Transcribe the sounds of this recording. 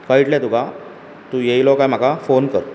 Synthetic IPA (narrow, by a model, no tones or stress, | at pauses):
kəjiʈljɛ̃t̪uka | t̪ũjejlɔkajm̤akafonkəɾ